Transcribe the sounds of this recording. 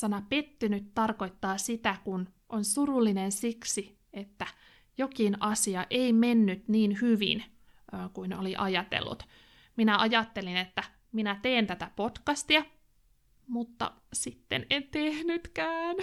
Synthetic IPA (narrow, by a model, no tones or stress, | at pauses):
sɑnɑpe̞t̪ːynyt̪t̪ɑrko̞it̪ːɑːsit̪ækun | ʔonsurulːinensiksi | et̪ːæ | jokinɑsiɑʔeime̞nːyt̪niːnhyʋḭn | kuino̰liʔɑjɑt̪ḛlːṵt̪ | minæʔɑjɑt̪ːe̞linet̪ːæ | minæt̪eːnt̪æt̪æpot̪kɑst̪iɑ | mut̪ːɑ̰ | sit̪ːenent̪ehnyt̪kæːn